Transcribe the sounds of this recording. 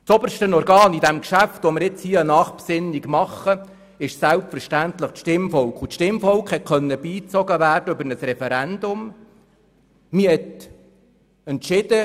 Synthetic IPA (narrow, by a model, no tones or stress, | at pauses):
sɔbəɾʃtənɔɾɡɑːnid̪æmkʃæft̪omɪɾjɪt͡shiənɑːχpsɪnːiɡmɑχːə | ɪʃsælpfəɾʃtænt̪ləχtʃtɪmfɔlkʰutʃtɪmfɔlkχhɛt̚kʰœnːəbiːt͡sɔɡəʋæːrdəøbəɾnəsɾɛfɛɾænd̥̪ʊm | mihɛt̪ | ɛntʃɪd̪̥ə